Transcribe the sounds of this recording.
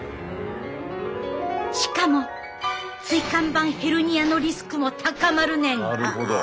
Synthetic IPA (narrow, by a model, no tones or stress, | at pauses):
ɕi̥kamo̞ | t͡sɨikãmbãɰ̃he̞ɾɯ̟ɲ̟iano̞ɾʲisɨ̥kɯ̟mo̞t̪ʰakamaɾɯ̟nẽ̞ŋɡɾɯa